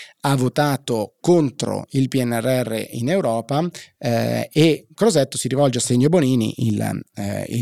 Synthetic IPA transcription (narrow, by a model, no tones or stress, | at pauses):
avːot̪aːt̪okont̪ɾo̰ilpiɛnːɛrːɛrːḛʔinewɾɔːpa | ekːɾozɛt̪ːosiɾivɔld͡ʒeasːeɲːoboniːnḭʔil | ḭ